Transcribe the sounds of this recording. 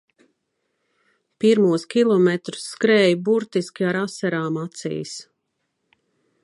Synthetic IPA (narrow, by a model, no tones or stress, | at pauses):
piɾmuɔskʲilˠɔmɛt̪ɾu̥sːkɾɛːjbuɾt̪iskʲiaɾasaɾaːmat̪sḭːs